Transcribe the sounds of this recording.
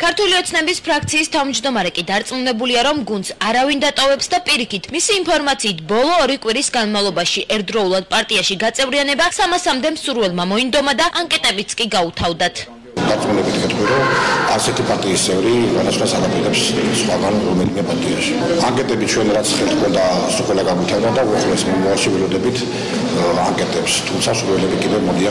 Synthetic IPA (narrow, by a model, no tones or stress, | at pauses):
kʰaɾt̪ʰuliɔt̪sʰnɛbispʰɾakʰt̪sʰiːst̪ʰavmd͡ʒd̪ɔmaɾɛkʼid̪aɾt̪sʼmunɛbuliaɾɔmɡund̪saɾavind̪at̪ʼɔvɛpsd̪apʼiɾikit̪ʰmisiːnpʰɔɾmat̪sʰiːt̪̚ʰbɔlˠɔːɾikʼwiɾisɡanmavlˠɔbaʃiʔɛɾd̪ɾɔulˠad̪̚pʼaɾt̪ʼiaʃiɡat̪sʼɛvɾianɛbasamasamd̪ɛmsuɾvɛlˠmamɔind̪ɔmad̪aʔaŋkʼɛt̪ʼɛbit̪sʰkʼiɡaut̪ʰavd̪at̪ʰ | ɡat̪sʼmulɛbit̪ʰɡɛt̪ʼqʼwiɾɔaɾsɛt̪ʰipʼaɾt̪ʼiːst̪sʼɛvɾiʁɛd̪asχwasaɡapʼid̪ɛpssχwaɡanɾɔmɛlimɛpʼaɾt̪ʼiaʃi̥aŋkʼɛt̪ʼɛbit͡ʃʰwɛnɾat̪sʰχɛlˠt̪̚kʰɔnd̪a | suχʼwɛlaɡamwit̪ʰavd̪and̪auaχlɛsmɔmavalˠʃivɛlɔd̪ɛbit̪ʰ | aŋkʼɛt̪ʼɛpst̪ʰumt̪sʰasuɾwɛlɛbikʼid̪ɛvmɔd̪ia